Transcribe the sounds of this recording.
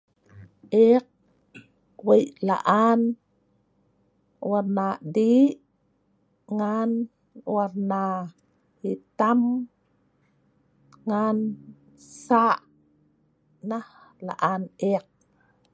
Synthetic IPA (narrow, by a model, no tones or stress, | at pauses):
ʔeq̚ | wejʔla̰ʔan | warnadi | ŋan | warna | hit̪am | ŋan | saʔ | nah | la̰ʔaneq̚